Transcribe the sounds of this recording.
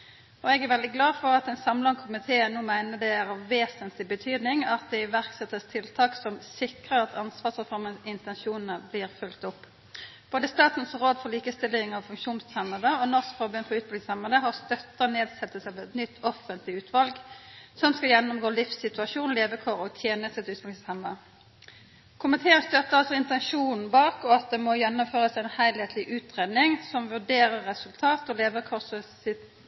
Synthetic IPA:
ɔɛɡæɾʋɛld̪ɪɡlɑːfɔʁɑt̪ɛɪnsɑmlɑnkʰʊmɪt̪ʰeːnuːmæɪnəd̪ɛæɾʁɑʋːeːsənt̪lɪbət̪ʰyːd̪nɪŋɑt̪̚d̪ɛɪʋæʁksɛt̪ːəst̪ʰɪlt̪ʰɑːksɔmsɪkʁəʁɑt̪ʰɑnsʋɑːsʁɛfɔɾməɪnt̪ɛnʃuːnn̩əbliːʁfʉlkt̪ʊpː | b̥oːd̪əst̪ɑːt̪n̩sɾoːd̪fɔʁliːkəst̪ɪlːɪŋɑʋfʉŋkʃuːnst̪ʰɛmːəd̪əɔnɔskfɔbʉnfɔɾʉːt̪̚bɪlɪŋsɑmːəd̪əɦɑʁst̪œt̪ːəneːd̪sɛt̪ːəsɑʋɛt̪nʏt̪ʰːɔfənt̪lɪʉːt̪ʰʋɑlɡsɔmskɑljɛnːʊmɡoːlɪfsɪt̪ʉɑʂuːnleːʋəkʰɔʁɔt̪ʰjeːnəst̪ət̪ʰʉːt̪bɑlhɛmːə | kʰʊmɪt̪ʰeːənst̪œt̪ːəʁɑlsɔɪnt̪ɛnʂuːnn̩bɑːkɔɑt̪̚d̪ɛmɔjɛnːʊmføːʁəsɛnhæɪlheːt̪ʰlɪʔʉːt̪ʁeːd̪nɪŋsɔmʋʉɖeːɾəʁːɛsʉlt̪ʰɑːt̪ɔleːʋəkʰɔsəsɪt̪

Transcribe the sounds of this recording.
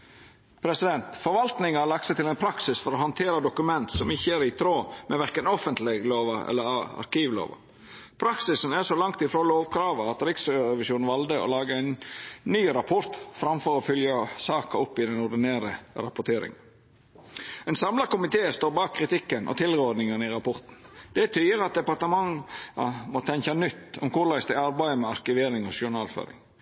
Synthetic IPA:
pʰɾɛsɪd̪ɛnt̪fɔɾʋɑlt̪nɪŋɑɑlɑkt̪sɛɪt̪ʰɪlɛɪnpʰɾɑksɪsfɔɾɔɦɑnt̪ʰeːɾəd̪ʊkʉmɛnt̪sɔmɪçːəæɾɪt̪ʰɾoːmɛʋæɾkənɔfənt̪lɪɡloːʋɑɛ̰lːəɾɑ̰ɾkiːʋlo̰ːʋɑ̰ | pʰɾɑksɪsnæʂɔlɑŋkt̪ɪfɾoːloːʋkʰɾɑːʋəɑt̪ɾɪksɾɛʋɪʃjuːnʋɑld̪əɔ̰lɑːɡəæɪnːyːɾɑpʰɔɾt̪fɾɑmfɔɾɔfʏljɑsɑːkɑʊpːɪd̪ɛnʊɾd̪ɪneːɾəɾɑpʊt̪ʰeːɾɪ̰ŋən | ɛnsɑmlɑkʊmɪt̪ʰeːst̪oːɾbɑːkkʰːɾɪt̪ɪkːənʔɔ̰t̪ʰɪlɾəɔd̪nɪŋənɪɾɑpʰɔɾt̪n̩d̪̥ɛt̪ʰyːəɾɑt̪̚d̪ɛpɑɾt̪əmɑŋːɑmɔt̪ʰɛŋkɑnʏt̪ːɔmkʊɾlæɪsd̪æɪɑɾbæɪəmɛɑɾkɪʋeːɾɪŋɔʃʊɳɑːlfø̰ːɾɪ̰ŋ

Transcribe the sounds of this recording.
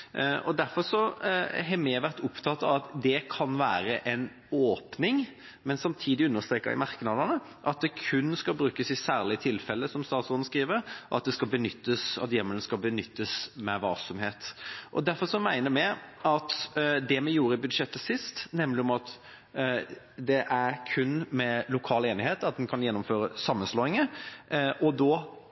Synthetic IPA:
ɔd̪æɾfɔɾʂɔɦɛmɛʋæɾt̪ʊpt̪ʰɑt̪ːɑʋɑt̪d̪ɛkʰɑnʋæːɾəʔɛn | oːpnɪŋ | mɛnsɑmt̪ʰiːd̪ɪʉnːəɾst̪ɾeːkːəʋɪ̰mɑɾknɑd̪ənə | ʔɑt̪̚d̪ɛkʰʉnːskɑlbɾʉːkəsɪsæːʁlɪt̪ʰɪlfɛlːəsɔmst̪ɑːt̪sɔn̩skɾiːʋəɾɔʔɑ̰t̪̚d̪ɛskɑlbənʏt̪ːəsɑ̰t̪jɛmːəlskɑlbənʏt̪ːəsmɛʋɑlsɔmheːt̪ʔɔ̰d̪æɾfɔɾʂɔmæɪnəmɛɑt̪d̪ɛmɛjuːɾəɪbʉd̪ʂɛt̪ːəsɪst̪nɛmlɪɔmɑt̪ | d̪ɛʔæɾkʰʉnːmɛlʊkʰɑːleːnɪheːt̪ɑt̪̚d̪ɛnkʰɑnjɛnːʊmføːɾəsɑmːənsloːɪŋə | ʔɔd̪ɔ

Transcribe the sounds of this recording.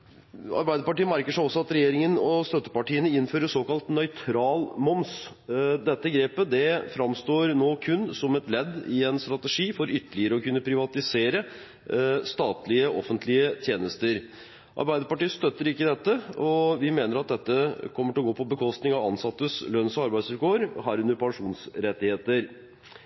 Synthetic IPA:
ɑ̰ɾbæɪd̪əpɑʈiːəmæɾkəʂæɪɔsːɔɑt̪ɾɛjeːɾɪŋənɔst̪œt̪ːə̥pɑʈiːənəɪnːføːɾəsoːkɑlt̪nœʏt̪ʰɾɑːlmɔms | d̪ɛt̪ːəɡɾeːpəd̪ɛfɾɑmst̪oːɾnoːkʰʉnːsɔmɛt̪lɛd̪ːɪɛnst̪ɾɑt̪əʂiːfɔɾʏt̪ːəlɪəɾəɔkʉnːəpʰɾɪʋɑt̪ɪseːɾə | st̪ɑːt̪lɪəʔɔ̰fənt̪ʰlɪət̪ʰjeːnəst̪əɾ | ʔɑ̰ɾbæɪd̪əpɑʈiːəst̪œt̪ːəɾɪkːəd̪ɛt̪ːəɔʋɪmeːnəɾɑt̪̚d̪ɛt̪ːəkʰɔmːəʈɪlɔɡoːpʰɔbəkʰɔst̪nɪŋɑʋɑnsɑt̪ːəslœnsɔɑɾbæɪsʉlkʰoːəɾɦæːɾʉnd̪əɾpʰɑŋʂuːnsɾɛt̪ːɪheːt̪əɾ

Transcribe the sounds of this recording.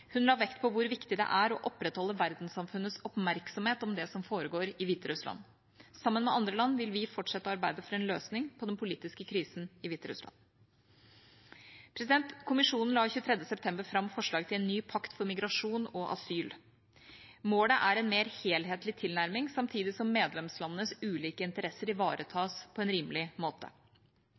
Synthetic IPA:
hʉnlɑːʋɛkt̪̚pʰɔʋʊɾʋɪkt̪ɪd̪ɛ̰ʔæɾɔʔɔpːɾɛt̪hɔlːəʋæɾd̪n̩sɑmfʉnːət̪sɔpmæɾksɔmheːt̪ɔmd̪ɛsɔmfoːɾəɡoːɾɪʋiːt̪əɾʉslɑ̰n | sɑmːənmɛʔɑnd̪ɾəlɑnːʋɪlʋɪfɔʈʂɛt̪ːəɑɾbæɪd̪əfɔɾɛnløːsnɪŋpʰɔd̪ɛnpʰʊliːt̪ɪskəkʰɾiːsn̩ɪʋiːt̪əɾʉ̰slɑ̰n | pʰɾɛsɪd̪ɛnt̪kʰʊmɪʂuːnn̩lɑːɪçʉːət̪ʰɾɛd̪ːəsɛp̚t̪ʰɛmbəɾfɾɑmfɔʂɭɑːɡt̪ʰɪlɛnːyːpʰɑkt̪fɔɾmɪɡɾɑʂuːnɔʔɑ̰syːl | moːləʔæɾɛnmeːɾheːlɦeːt̪lɪt̪ʰɪlnæɾmɪŋsɑmt̪ʰiːd̪ɪsɔmːeːd̪lɛmslɑnːənəsʉːliːkəɪnt̪əɾɛsːəɾɪʋɑːɾʔət̪ʰɑːspʰɔɛnɾiːmlɪmoːt̪ʰə̰

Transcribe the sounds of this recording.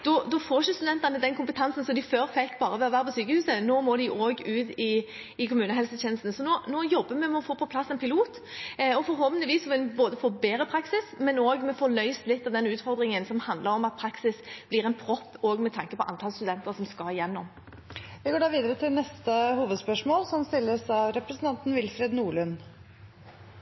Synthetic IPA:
d̪̥ɔd̪ɔfoːʃəst̪ʉd̪ɛnt̪ənəd̪ɛnkʰʊmpət̪ʰɑnsən̩sɔmd̪ɪføːɾfɛkːbɑːʁəʋɛɔʋæːɾəpʰɔsyːkəhʉːsənoːmɔːd̪ɪʔoːɡʉːt̪ɪ | ɪkʰʊmʉːnəɦɛlsət̪ʰɛːnəst̪n̩sɔnoːnoːjɔbːəmɛmɛɔfoːpʰɔpʰlɑsːɛnpʰɪluːt̪ | ɔfɔɾɦɔlʋənɪʋiːsɔʋɪlboːd̪əfoːbeːɾəpʰɾɑksɪsmɛnoːɡmɛfoːlœʏst̪lɪt̪ːɑʋd̪ɛnʉːt̪fɔɾd̪ɾɪŋənsɔmhɑnd̪ləɾɔmɑt̪̚pʰɾɑksɪsb̥lɪʁɛnpʰɾɔpːoːɡmɛt̪ʰɑŋkəpʰɔʔɑ̰nt̪ʰɑlst̪ʉd̪ɛnt̪əɾsɔmskɑjɛnːɔm | ʋɪɡoːɖɑːʋiːd̪əɾət̪ʰɪlnɛst̪əhuːʋəd̪spœʂmoːlsɔmst̪ɪlːəsɑʋɾɛpɾəsn̩t̪ʰɑnt̪n̩ʋɪlfɾed̪nuːɭʉn

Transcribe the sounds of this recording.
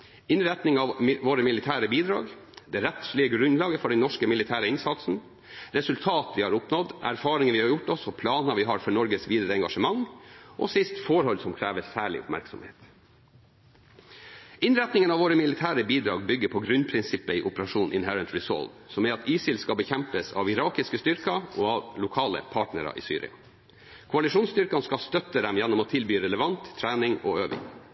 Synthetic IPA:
ɪnɾɛt̪nɪŋɑʋʋoːɾəmɪlɪt̪ʰæːɾəbiːd̪ɾɑ̰ːɡd̪ɛːɾɛt̪fɭɪəɡɾʉnlɑːɡəfɔɖɛnɔʂkəmɪlɪt̪ʰæːɾəɪnsɑt̪sn̩ | ɾɛsʉlt̪ʰɑːt̪ʋɪhɑɾʊpnɔd̪æ̰ɾfɑːɾɪŋəʋɪːhɑɾjʊʈːɔsɔpʰlɑːnɑʋɪɦɑːɾfɔɳɔɾɡəsʋiːd̪əɾəɛŋɡɑʂəmɑŋʔɔ̰sɪst̪foːɾhɔlsɔmkʰɾæːʋəsæːɭɪ̰ʔʊ̰pmæ̰ɾksɔ̰mhḛːt̪ | ɪnɾɛt̪nɪŋənɑʋoːɾəmɪlɪt̪ʰæːɾəbiːd̪ɾɑ̰ːɡbʏɡəpʰɔɡɾʉnpʰɾɪnsɪpəiːʔʊpəɾɑʂuːnʔɪ̰nɦɛɾənt̪ɹɪsɔ̰lʋ | sɔmæɑt̪iːsɪlskɑbəçɛmpəsɑ̰ʋɪɾɑːkɪskəst̪ʏɾkɑʔoːɑʋlʊkʰɑːlə̰pʰɑːʈnəɾɑ̰ʔḭːsy̰ːɾɪ̰ɑ̰ | kʰʊɑlɪʂuːnst̪ʏɾkɑnskɑst̪œt̪ːəd̪ɛmjɛnːɔmoːt̪ʰɪlbyːɾɛləʋɑnt̪ʰːɾæːnɪŋo̰ːøːʋɪ̰ŋ

